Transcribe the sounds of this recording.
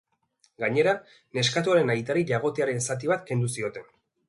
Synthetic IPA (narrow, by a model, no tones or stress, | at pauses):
ɡaɲe̞ɾa | ne̞skat̪uaɾe̞najt̪aɾiʎaɣo̞t̪eaɾe̞nsat̪̬iβat̪ke̞nd̪usio̞t̪e̞n